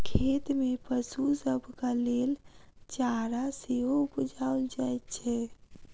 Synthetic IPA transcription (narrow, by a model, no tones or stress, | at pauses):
kʰet̪mepəsusəbʱkalelt͡ʃaɾaseɦoupud͡ʒʱaɔld͡ʒajt̪t͡ʃʰɛ